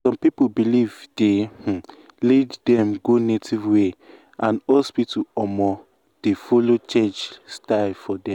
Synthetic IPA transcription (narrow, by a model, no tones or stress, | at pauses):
sɔ̃mpipobilivd̥eh̩ | lɛddɛ̃mɡonetʰivwe | ãnɔspituɔmɔ | d̥efolot͡ʃɛt͡ʃstaɪfɔdɛ̃m